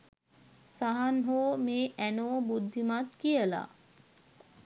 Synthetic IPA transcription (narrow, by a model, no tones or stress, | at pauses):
saɦanɦoːmeːʔænoːbud̪ʱːimat̪kijəla̰